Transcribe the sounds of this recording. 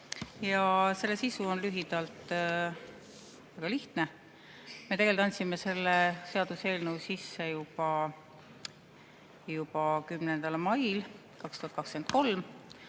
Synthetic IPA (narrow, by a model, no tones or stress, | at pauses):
jɑse̞lːesisuo̞nlyɦid̪̥ɑlt̪ | væɡɑliht̪ne̞ | me̞t̪eɡelt̪ːˑɑnʲsime̞se̞lːese̞ɑd̪̥use̞ːlnuːsisːe̞jub̥ɑ | jupɑkymnend̪̥ɑlmɑjl | kɑkst̪uhɑt̪kɑkskent̪̚ko̞lm